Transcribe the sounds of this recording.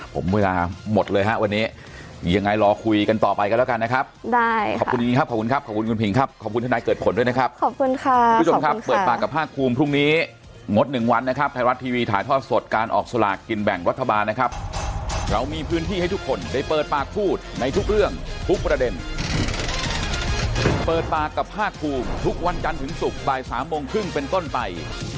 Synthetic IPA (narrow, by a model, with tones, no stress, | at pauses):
pʰo̰˩˦mweː˧laː˧mo˨˩t̪̚lɤː˧jɦa˦˥ʔwa˧nːiː˦˥ | ja˧ŋːa˧jɾɔː˧kʰu˧jka˧nt̪ɔː˨˩pa˧jka˧lːwka˧nːa˦˥kʰa˦˥p̚da˥˩jʰɔː˨˩ku˧˩mʰ˧i˧˦ŋʰa˦˥p̚kʰɔː˨˩pku˧nkʰa˦˥p̚ʰɔː˨˩ku˧nku˧npʰi˨˦ŋkʰa˦˥p̚kʰɔː˨˩ku˧nʰa˧daː˧˦kɤː˨˩t̪pʰo˨˦ndu˥˩jna˦˥kʰa˦˥p̚kʰɔ˨˩ku˧nkʰa˥˧˦o˧kʰa˦˥pːɤː˨˩paː˨˩kkːa˨˩pʰːaː˥˩k̚ʰːuː˧mpʰɾu˥˩ŋniː˦˥ | ŋo˦˥t̪̚nɯ˨˩ŋwa˧nːa˦˥kʰa˦˥p̚t̪ʰa˧jɾa˦˥t̪ʰːiː˧wiː˧t̪ʰaː˨˦jt̪ʰɔː˥˩t̪̚so˨˩t̪̚kaː˧nʔɔ̰ː˨˩k̚sa˧la̰ː˨˩kːi˧nbɛ˨˩ŋɾa˦˥t̪ʰːa˧baː˧nːa˦˥kʰa˦˥p̚ɾa˧wmiː˧pʰɯː˦˥nt̪ʰiː˥˩ha˥˩jt̪ʰu˦˥kʰːo˧nda˥˩jpɤː˨˩t̪̚paː˨˩k̚pʰuː˥˩t̪̚na˧jt̪ʰu˦˥k̚ɾɯ˥˩əŋt̪ʰu˦˥k̚pɾa˧de˧n | pɤː˨˩t̪̚paː˨˩kːa˨˩p̚ʰaː˥˩kʰːuː˧mt̪ʰu˦˥k̚wa˧nt͡ɕa˧nt̪ʰɯ˩˦ŋsu˨˩k̚baː˨˩jsaː˩˦mːo˧ŋkʰɾɯ˥˩ŋpe˧nt̪o˥˩npa˧j